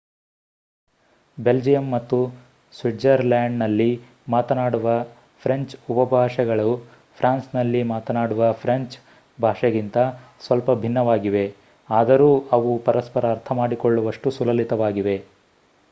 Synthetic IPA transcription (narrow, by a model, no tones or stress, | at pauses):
be̞ld͡ʒijɐmːɐt̪ːu | sʋiʈd͡ʒɐɾlaːɳɖnɐlːi | maːt̪ɐnaːɽuʋɐ | pʰɾeɲt͡ʃupɐbʱaːʂɐɡɐɭu | pʰɾaːnsnɐlːimaːt̪ɐnaːɽuʋɐpʰɾeɲt͡ʃ | bʱaːʂɐɡint̪ɐsʋɐlpɐbʱinːɐʋaːɡiʋe̞ | aːd̪ɐɾuːɐʋupɐɾɐspɐɾɐːɾt̪ʰɐmaːɽikoɭːuʋɐʂʈusulɐlit̪ɐʋaːɡiʋe̞